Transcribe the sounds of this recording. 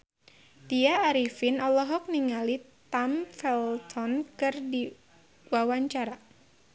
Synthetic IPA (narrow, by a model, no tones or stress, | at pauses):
t̪iaːɾifɪnɔlɔɦɔk̚niŋali | t̪amfɛlt̪ʰɔnkɨrdi | wawaɲt͡ʃaɾa